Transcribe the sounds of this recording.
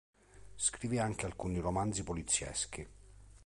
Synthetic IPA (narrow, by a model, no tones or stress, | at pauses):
skɾiviaŋk̟ealkuniromand̪zipolit̪sːjɛ̰sk̟i